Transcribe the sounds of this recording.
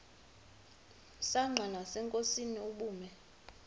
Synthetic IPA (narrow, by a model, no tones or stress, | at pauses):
saŋ͡ǁʱanasɛŋkʼosiniuɓuːmɛ